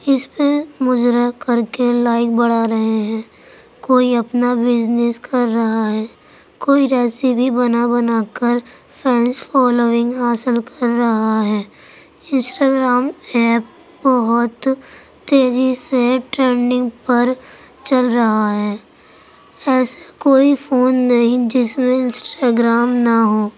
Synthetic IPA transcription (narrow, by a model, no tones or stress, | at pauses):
ɪspemʊd͡ʒɾakɐɾkelaːɪk̚bɐɽaɾɐɦeɦɛ̃ː | koːiɐpnabɪd͡ʒneskʰɐɾːɐɦaɦɛː | koːiɾɛːsibʱibɐnabɐnaːkəɾ | pʰɛ̃ːnsfɔːloːɪ̃ŋɡɦaːsɪlkəɾːɐɦaɦɛː | ɪ̃nsʈaːɡɾaːmɛːp̚ | bɔɦʊt̪ː | eːɾiseʈɾeːɳɖɪ̃ŋɡpɐɾ | t͡ʃɐlɾɐɦaɦɛː | ɛːsakoːifʰoːnːɐɦĩd͡ʒɪsmẽɪ̃nsʈaːɡɾaːmnaɦoː